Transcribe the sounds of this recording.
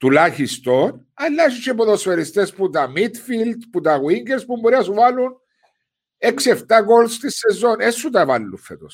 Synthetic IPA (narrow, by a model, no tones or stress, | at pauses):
t̪ulaçist̪on | ɐlːaʃit͡ʃep̬oðosfeɾist̪esput̪ɐmit̪fild̪put̪ɐɣwiŋɡeɾspumboɾiɐsuvalun | ekseft̪aɡolst̪isːezo̞nesːut̪ɐvɐlːufːet̪os